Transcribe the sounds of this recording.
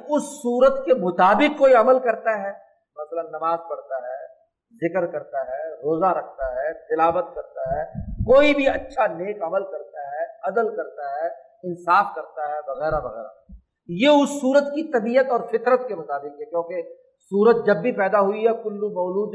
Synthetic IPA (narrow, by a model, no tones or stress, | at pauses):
ʊsːuːɾət̪kemʊt̪aːbɪkkːoːiɐməlkɐɾt̪aɦɛː | mɐsələnːɐmaːzpɐɽt̪aɦɛː | zɪkɾkɐɾt̪aɦɛːɾoːzaɾɐkʰt̪aɦɛːt̪ɪlaːbət̪̚kɐɾt̪aɦɛːkoːibʱiɐtːʃʰaneːkɐməlkɐɾt̪aɦɛɐd̪əlkɐɾt̪aɦɛ | ɪnsaːfkɐɾt̪aɦɛʋɐɣɛːɾaʋɐɣɛ̰ːɾa̰ | jeʊsːuːɾət̪kit̪ɐbiːət̪ɔːɾfɪt̪ɾət̪kemʊt̪aːbɪkɦɛkjõːke | suːɾət̪̚d͡ʒɐbːʱipɛːd̪aɦuiɦɛkʊlːumɔːluːd̪